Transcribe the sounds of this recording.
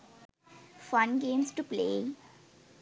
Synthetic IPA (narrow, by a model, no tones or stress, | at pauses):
fʌ̃nɡẽːmsʈuplḛː